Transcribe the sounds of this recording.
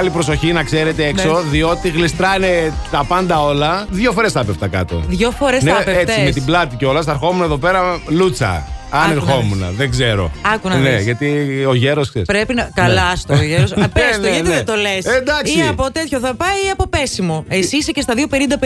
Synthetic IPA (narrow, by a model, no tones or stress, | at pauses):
lipɾo̞so̞çinɐkse̞ɾe̞t̪eekso̞ðio̞t̪iɣlist̪ɾɐnet̪ɐpɐnd̪ɐo̞lɐðʝo̞fo̞ɾe̞sθɐpeft̪ɐkɐ̰t̪o̞̰ðʝofoɾesnepeet͡simet̪iblɐt̪iceo̞lɐst̪ɐɾxomunɐeðo̞pe̞ɾɐlut͡sɐ̰ɐneɾxo̞munɐ̰ðeɡzeɾo̞̰ɐkunɐneʝɐt̪io̞ʝeɾoskseɾispɾepinɐkɐlɐst̪oʝeɾospesnoʝɐðet̪olesend̪ɐkiɐpot̪et̪çoθɐpɐjiɐpo̞pesimoesisecest̪ɐðjo̞pe̞nind̪ɐp